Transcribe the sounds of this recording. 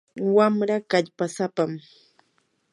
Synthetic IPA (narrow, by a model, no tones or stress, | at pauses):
wamɾakaʎpasapam